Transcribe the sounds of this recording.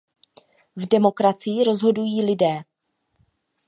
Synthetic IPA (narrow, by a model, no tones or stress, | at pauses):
vdɛmo̞kɾat͡sɪjɪɾo̞zɦo̞dujiːlɪdɛː